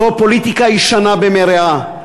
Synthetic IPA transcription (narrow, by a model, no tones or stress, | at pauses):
opolit̪ikaiʃanabemeɾea